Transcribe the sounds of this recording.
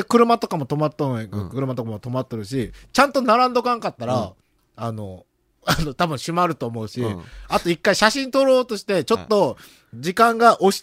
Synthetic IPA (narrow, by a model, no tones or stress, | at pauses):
kɯ̟ɾɯ̟mat̪o̞kamo̞t̪o̞mat̪ːokɯɾɯ̟mat̪okamot̪o̞mat̪ːoɾɯ̟ɕ̬it͡ɕãnt̪o̞naɾãnd̪o̞kãŋkat̪ːaɾa | ano̞ | ano̞t̪abɯ̟ɰ̃ɕimaɾɯ̟t̪o̞ːmo̞ɯ̟ɕiat̪oikːaiɕaɕĩnt̪o̞ɾo̞ːt̪o̞ɕi̥t̪e̞t͡ɕo̞t̪ːo̞ | d͡ʑikãŋɡaʔoɕ